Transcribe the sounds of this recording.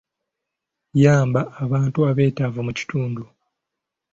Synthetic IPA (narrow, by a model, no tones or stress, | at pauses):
jaːmbaːβaːntuaβe̞ːtavumuci̥tuːndu